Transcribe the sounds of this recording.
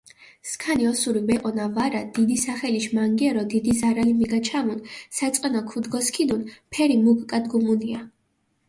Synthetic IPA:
skʰaniɔsuɾibɛqʼɔnavaɾad̪̥id̪isaχɛliʃmaŋɡiɛɾɔd̪id̪izaɾalimiɡat͡ʃʰamunsat̪sʼqʼɛnɔkʰud̪ɡɔskʰid̪unpʰɛɾimuɡkʼad̪ɡumunia

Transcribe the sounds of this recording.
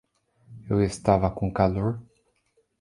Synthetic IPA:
ewest̪avɐkõkaloɾ

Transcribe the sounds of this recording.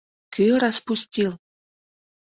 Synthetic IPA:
kʰyɾɑspusʲtʲil

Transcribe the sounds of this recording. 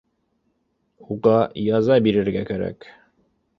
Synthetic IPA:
uʁɑjɑzɑbiɾɘ̆ɾɡækæɾæ̰k

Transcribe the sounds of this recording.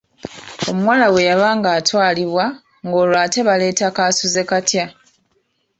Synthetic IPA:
o̞muwaːlawe̞jaβaːŋɡaːtwaːliβwa | ŋɡo̞ːlwaːte̞βale̞ːtakaːsuze̞katja

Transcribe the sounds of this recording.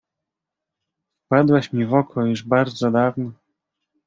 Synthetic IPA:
fpad̪wɛɕmʲivɔkʰɔjuʐbaɾd̪zɔd̪avnɔ

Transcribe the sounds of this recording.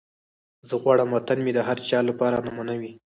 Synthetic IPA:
zəɣwɑɽəmwat̪anmed̪əɦaɾt͡ʃɑlapɑɾanamanawi

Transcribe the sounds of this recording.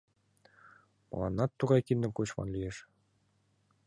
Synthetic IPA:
mɤ̰̆lˠɑnːɑt̪ːuʁɑjkind̪ɘ̆mkut͡ɕmɑ̰nlʲijeʃ

